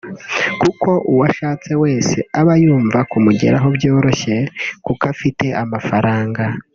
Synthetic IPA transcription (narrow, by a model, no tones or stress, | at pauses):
kukʰo̞ʔuwaʃaːt͡se̞we̞ːseaβajuːɱvakumuɟe̞̰ɾaɦo̞βjo̞ːɾo̞çe̞kukafite̞ʔamafaɾaːŋɡa